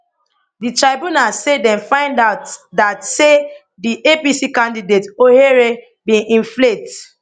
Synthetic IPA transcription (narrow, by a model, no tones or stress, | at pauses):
ditɹaɪbũnassedɛ̃nfãɪ̃ndaʊtdatse | diʔepisikãndidetoheɹe | bĩʔĩnflet